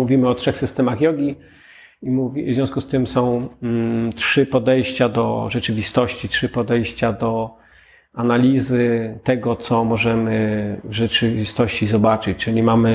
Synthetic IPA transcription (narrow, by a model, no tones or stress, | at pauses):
muvʲimɘɔtʂɛxsɨst̪ɛmaxjɔɡʲi | imuvzʲjɔ̃skust̪ɘmsɔ̃w̃ | tʂɘpɔd̪ɛjɕt͡ɕad̪ɔ̰ʐɛt͡ʂɘvʲist̪ɔɕt͡ɕitʂɘpɔd̪ɛjɕt͡ɕad̪ɔ | analʲizɘt̪ɛɡɔt̪sɔmɔʐɛmɘvʐɛt͡ʂɘvʲist̪ɔɕt͡ɕizɔbat͡ʂɘt͡ɕt͡ʂɘlʲimamɘ